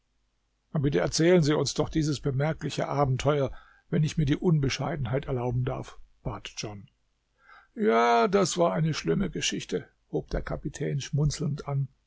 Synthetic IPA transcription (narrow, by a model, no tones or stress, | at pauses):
abɪtəɛ̰ɐt͡sɛːlənziːʊnsd̥ɔχd̥iːzəsb̥əmɛɐklɪçə̰ʔaːbm̩tʰɔʏɐ | vɛnɪçmiːɐdiːʔʊnbəʃaɪdn̩haɪtɛɐlaʊbm̩da̰ɐfb̥aːtd͡ʒ̥ɔn | jaːdasv̥aːɐaɪnəʃlɪməɡəʃɪçtə | hoːp̚d̥eːɐkʰapitʰɛːnʃmʊnt͡sl̩n̩tʔan